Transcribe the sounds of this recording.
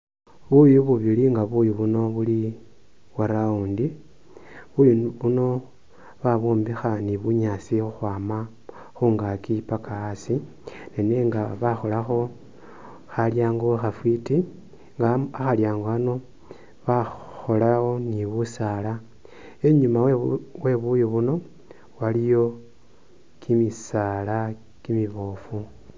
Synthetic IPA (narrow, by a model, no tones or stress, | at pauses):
βujuβuβiliŋɡaβujuβuno̞βuli | waɾauːndi | βujuβuno̞ | βaβoːmbixaniβuɲasixuxwaːma | xuːŋɡakipakaasi | nene̞ŋɡaβaxo̞laxo̞ | xaljaːŋɡo̞xafwiti | ŋɡaaxaljaːŋɡoano̞ | βaxo̞laxo̞niβusala | e̞ɲumawwe̞βujoβuno̞ | walijo̞ | kʰimisala | kimiβo̞fu